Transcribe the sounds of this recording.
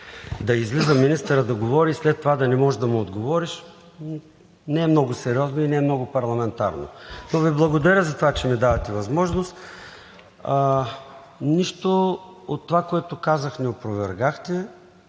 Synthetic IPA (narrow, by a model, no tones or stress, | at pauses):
d̪ɐizlizəminist̪əɾəd̪ɐɡovɔɾiːslɛt̪ːovad̪ɐnɛmɔʒd̪ɐmɛod̪ɡovɔɾiʃ | nɛɛmnɔɡʊsɛɾiɔznoinɛɛmnɔɡʊpɐɾlˠɐmɛnt̪a̰ɾno̰noviblˠɐɡod̪ɐɾʲəzɐt̪ovat͡ʃɛmid̪avɐt̪ɛvɐzmɔʒnost̪ | niʃt̪oot̪ːovakoɛt̪okazəxnɛopɾovɛɾɡaxt̪ɛ